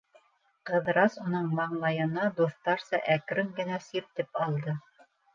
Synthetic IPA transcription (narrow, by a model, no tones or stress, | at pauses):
qɤ̆ðɾɑsunɤɴmɑɴlˠɑjɤ̆nɑd̪uθt̪ɑɾsɑʔækɾɵŋɡɘ̆næsiɾt̪ɘpɑlˠd̪ɤ